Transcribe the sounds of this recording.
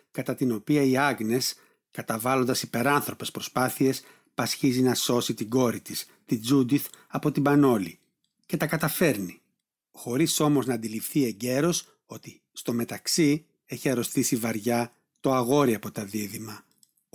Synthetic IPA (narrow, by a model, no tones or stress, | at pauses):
kɐt̪ɐt̪ino̞piɐiɐɣne̞s | kɐt̪ɐvɐlo̞nd̪ɐsipe̞ɾɐnθɾo̞pe̞spɾo̞spɐθie̞s | pɐsçizinɐso̞sit̪iɡo̞ɾit̪is | t̪id͡zud̪iθɐpo̞t̪ibɐno̞li | ce̞t̪ɐkɐt̪ɐfe̞ɾni | xo̞ɾiso̞mo̞znɐːnd̪ilifθie̞ɲɟe̞ɾo̞s | o̞t̪i | st̪o̞me̞t̪ɐksi | e̞çiɐɾo̞st̪isivɐɾʝɐ | t̪o̞ɐɣo̞ɾiɐpo̞t̪ɐðiðimɐ